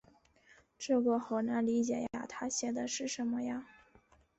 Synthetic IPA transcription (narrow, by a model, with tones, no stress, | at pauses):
ʈ͡ʂɤ˥˩ɡə˩xo˨˩ʊna˧˥nli˧˥t͡ɕjɛ̰˨˩jaa̰˥t̪ʰa˥ɕjɛ˨˩d̪ə˧ʂɻ̩˥˩ʂə˧˥nmə˧ja˧